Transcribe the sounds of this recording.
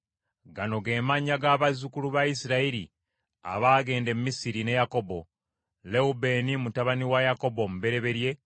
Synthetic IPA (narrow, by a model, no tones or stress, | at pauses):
ɡano̞ɡe̞ːmaɲaɡaːβazukuluβajisiɾaiɾi | a̰βaːɡe̞ːnde̞mumisiɾine̞jako̞bo̞ | le̞ube̞ːnimutaβaniwajako̞bo̞muβe̞ɾe̞βe̞ɾje̞